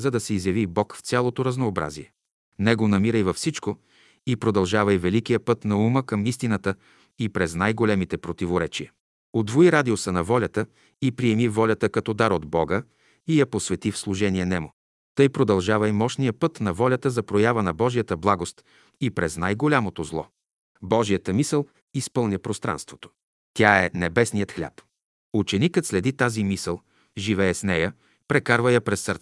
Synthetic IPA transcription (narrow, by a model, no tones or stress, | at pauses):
zɐd̪ɐsɛizjɐvibɔkfsʲjalˠot̪oɾɐznoːbɾa̰ziɛ | nɛɡonɐmiɾəjvɐfsit͡ʃko | ipɾod̪ɐlˠʒavɐivɛlikijəpɤt̪nɐuməkɐmist̪inət̪ə | ipɾɛznajɡolɛmit̪ɛpɾot̪ivoɾɛt͡ʃijə | od̪voiɾad̪iosənɐvɔlʲɐt̪ə | ipɾiɛmivɔlʲɐt̪əkɐt̪ɔd̪aɾod̪bɔɡə | ijɐposvɛt̪ifslˠuʒɛniɛnɛmʊ | t̪ɤjpɾod̪ɐlˠʒavəimɔʃnijəpɤt̪nɐvɔlʲɐt̪əzɐpɾojavənɐbɔʒijət̪əblˠaɡost̪ | ipɾɛznajɡolʲamot̪ozlˠɔ̰ | bɔʒijət̪əmisəlˠ | ispɤlˠnʲəpɾost̪ɾa̰nst̪vo̥t̪o̥ | t̪ʲjaɛnɛbɛsnijət̪xlʲa̰p | ut͡ʃɛnikət̪slɛd̪it̪azimisəlˠ | ʒivɛɛsnɛjə | pɾɛkaɾvəjɐpɾɛsːəɾt̪sɛ